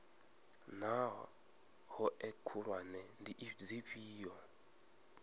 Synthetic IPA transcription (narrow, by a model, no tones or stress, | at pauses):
naɦɔ | hɔʔɛkʰuɺwanɛndiʔd͡ziɸiːjɔ